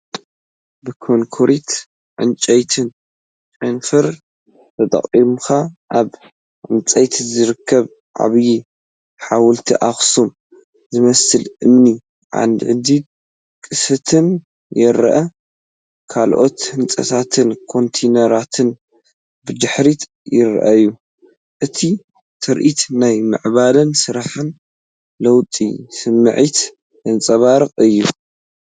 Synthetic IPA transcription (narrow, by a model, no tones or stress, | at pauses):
bɨkʰoŋkʰoɾit̪ | ʕɨ̰nt͡ʃʼɐjt̪ʰɨn | t͡ʃʼɨnfɐɾ | t̪ʰɐt̪ʼɐ̰χʼimxaʔaβ | ʕɨ̰nt͡sʼɐjt̪ʰzɨɾɨkʰːɐβ | ʕa̰βji | ħawʊlt̪ʰiʔaxsum | zɨmɐsɨlɨmni | ʕa̰nd̪ʕɨd̪i | kʼɨsɐt̪ʰɨn | jɛɾʔɐ | kʰalʔo̞̰t̪hɨnt͡sʼɐ̰t̪ʰat̪ʰɨnkʰo̞nt̪ʰenɐɾat̪ʰɨn | bɨd̪ɨħɾit̪ | jɪɾ̰ʔɐ̰ɨjːu | ʔɨt̪ʰi | t̪ʰɐɾʔit̪najmɨ̰ʕβalɐnsɨɾaħɨn | lɐwt̪ʼḭsɨmːɨʕit̪ | jɐnt͡sʼɐβaɾɨqʼɨjːu